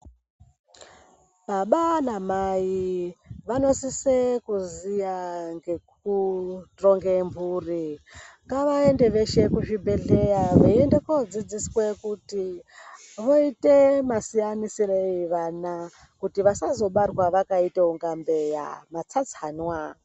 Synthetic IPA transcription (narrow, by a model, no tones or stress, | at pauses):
ɓaɓanamaiʋano̞sisekuzijaŋɡe̞kutroŋɡemburiŋɡaʋae̞nde̞ʋe̞ʃe̞kuʐibʱe̞ɮe̞jaʋeendekod͡zid͡ziswe̞kuti | ʋo̞ite̞masijanisireiʋana | kutiʋasazo̞ɓarwaʋakaiteuŋɡambe̞ja̰mat͡sat͡sihanwa